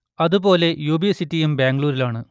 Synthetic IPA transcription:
ɐðubo̞ːle̞juːbisitːijembeːŋɡɭuːɾilaːɳɨ

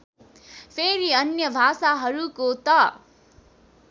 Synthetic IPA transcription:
pʰeɾiʌnjʌbʱasaɦʌɾukot̪ʌ

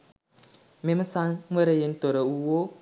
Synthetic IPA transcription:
meməsanmʷəɾejentoɾəuwo

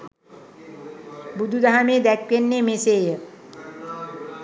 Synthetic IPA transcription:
bud̪ʱud̪aɦamed̪ɛk̚kenːemeseje

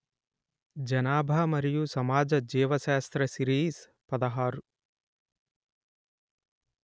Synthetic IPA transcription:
d͡ʒɐnaːbʱɐmɐɾijusɐmaːd͡ʒɐd͡ʒɛːʋɐʃaːst̪ɾɐʃiɾiːs | pɐd̪ɐɦaːɾu

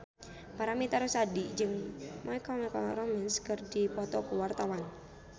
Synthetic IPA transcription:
paɾamit̪aɾusadid͡ʒɨŋmaikɔmɛkɔɾɔmɛnskərdipɔt̪ɔkuwart̪awan

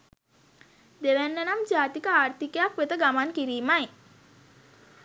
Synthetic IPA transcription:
d̪eʋænːənamd͡ʒaːt̪ikəaːrt̪ikejakʋet̪əɡamankiɾiːmaj

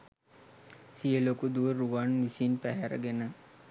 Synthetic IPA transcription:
sijəlokud̪uʋəɾuʋanʋisinpæɦæɾə̰ɡenə

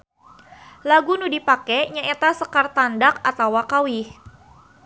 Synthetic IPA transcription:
laɡunudipakɛɲaʔet̪asəkart̪andakat̪awakawɪh

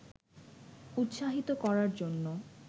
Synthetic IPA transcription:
ut̪ːʃaɦit̪okɔɾaɾd͡ʑonːo

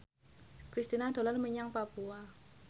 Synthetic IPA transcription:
kɾist̪inad̪̥o̤larməɲaŋpapua

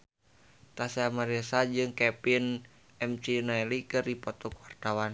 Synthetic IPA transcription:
t̪asɛamaɾɛsad͡ʒɨŋkɛpin | ɛmt͡ʃinaɛlikɨrdipɔt̪ɔkuwart̪awan

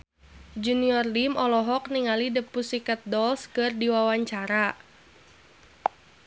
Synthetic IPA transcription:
d͡ʒuniɔrdimʔɔlɔɦɔk̚niŋalidəpusikat̪̚dɔlskɨrdiwawaɲt͡ʃaɾa

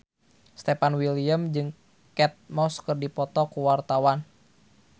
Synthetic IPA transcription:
st̪ɛpanwilijəmd͡ʒɨŋ | kɛt̪̚mɔskɨrdipɔt̪ɔkuwart̪awan

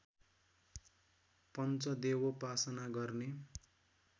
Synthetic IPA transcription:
pʌnt͡sʌd̪ewopasʌnaɡʌrne

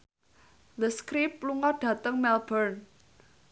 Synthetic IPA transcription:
ləskɾipluŋɔɖ̥ä̤t̪əŋmɛlbərn

